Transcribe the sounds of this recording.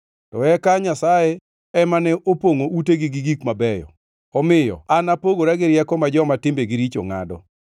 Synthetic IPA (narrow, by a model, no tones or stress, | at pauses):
tɔɛkaɲasaje | ɛmanɛʔopoŋoʔuteɡiɡiɡikmabɛjɔ̰ | ɔmɪjɔ̰anapoɡoɾaɡɪɾjɛkɔmad͡ʒɔmatɪmbeɡiɾit͡ʃo̰ŋa̰dɔ̰